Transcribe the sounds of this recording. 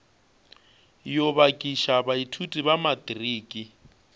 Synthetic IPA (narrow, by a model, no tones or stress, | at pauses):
joβakʼiʃabaitʰutʼiβamadʼiriːkʼi